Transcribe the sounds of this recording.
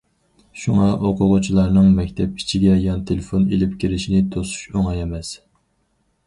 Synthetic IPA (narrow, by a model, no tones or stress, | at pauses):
ʃuŋɑʔoqʰʊʁʊt͡ʃʰilˠɑɾnɨŋmɛkʲt̪ʰɛp̚i̥t͡ʃʰiɡʲɛjɑnt̪ʰelɪfonelɪp̚kʲʰiɾɪʃinɪt̪ʰosu̥ʃoŋɑjɛmɛs